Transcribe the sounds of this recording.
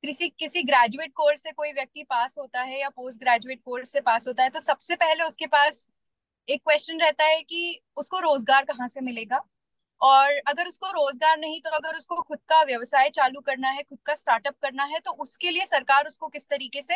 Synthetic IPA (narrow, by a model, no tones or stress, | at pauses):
kɪsikɪsiɡɾɛːd͡ʒueːʈ̚koːɾsekoːiʋjɐk̚t̪ipaːsɦoːt̪aɦɛjapoːsʈ̚ɡɾɛːd͡ʒueːʈ̚koːɾsːepaːsɦoːt̪aɦɛt̪osɐbsepɛɦleʊskepaːs | eːkːwɛːst͡ʃənɾɛɦt̪aɦɛki | ʊskoɾoːzɡaːɾkɐɦãsemɪleːɡaː | ɔːɾɐɡəɾʊskoɾoːzɡaːɾnɐɦĩt̪oɐɡəɾʊskoxʊd̪̚kaʋjɐʋsaːjt͡ʃaːlukɐɾnaɦɛxʊd̪̚kasʈaːɾʈəp̚kɐɾnaɦɛt̪oʔʊskeliesɐɾkaːɾʊskokɪst̪ɐɾiːkese